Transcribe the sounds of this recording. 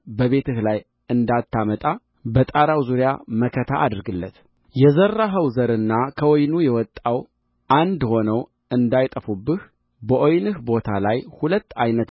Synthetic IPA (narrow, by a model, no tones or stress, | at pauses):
bəβe̞t̪ʰɨhlaj | ɨnd̪at̪ʰːamət̪ʼa | bət̪ʼaɾawzuɾjaməkʰət̪ʰaʔad̪ɨɾɡɨlːə̰t̪ | jɛzərːaɦəwzəɾɨnːakʰəwɔjnujɛwɔt̪ʼːaw | ʔand̪ho̞nəw | ʔɨnd̪ajt̪ʼəfubːɨh | bəʔojnɨhbo̞t̪ʰalajhulət̪ːajnət̪